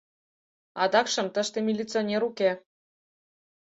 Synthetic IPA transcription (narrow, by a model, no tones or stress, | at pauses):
ɑd̪ɑkʃɤ̆mt̪ə̆ʃt̪emʲilʲit͡sɨonʲeɾukʲe